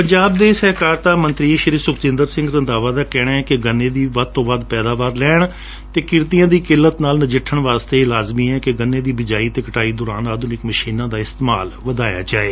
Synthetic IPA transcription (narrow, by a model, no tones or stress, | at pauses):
pəɲd͡ʒaːb̚d̪eːsɛːkaːɾt̪aːmənt̪ɾiːʃəɾiːsʊkt͡ʃɪ̃nd̪əɾsɪ̃ŋɡɾənd̪aːʋaːd̪aːkɛːɽ̃ãːɛkɪɡənːẽːd̪iːʋəd̪̚t̪õːʋaːd̪pɛːd̪aːʋaːɾlɛːɳ | t̪eːkɪɾt̪ijãːd̪iːkɪlːət̪naːlnəd͡ʒɪʈʰːəɳʋaːst̪eːlaːzmiːɛ̃ːkɪɡənːeːd̪iːbɪd͡ʒaːiːt̪eːkəʈaːiːd̪ʊːɾaːnaːd̪ũːnɪkməʃiːnãːd̪aːɪst̪ema̰ːlʋəd̪aːja̰ːd͡ʒaːeː